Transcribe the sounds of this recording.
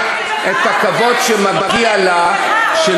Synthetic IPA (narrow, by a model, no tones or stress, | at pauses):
ʔet̪hakavo̞dʃemabʁiala | ʃe